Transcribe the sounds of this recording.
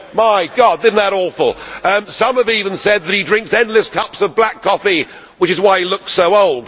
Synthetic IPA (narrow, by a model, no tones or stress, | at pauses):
maɪɡɑd̚ɪdⁿn̩ðəɾɔfl̩ˠʌ̃sʌ̃məvivə̃nsɛd̪̚ðɨt̚idɹɪ̃ŋksɛ̃ndˡlɨskʰʌpsʌvblækʰɒfi | wət͡ʃɨzwaɪilʊksoʊoʊlˠd̥